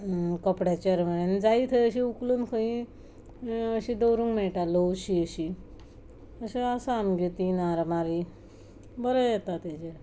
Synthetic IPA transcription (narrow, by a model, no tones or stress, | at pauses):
kəpɽjat͡ɕaɾm̤əɽend͡zait̪ʰəjəɕiukluːnkʰə̃ĩ | əɕĩd̪əwɾũŋɡmɛɭʈaləuɕiəɕi | əɕeəsaamɡet̪inaɾmaɾi | bəɾəjɛt̪at̪at͡ɕe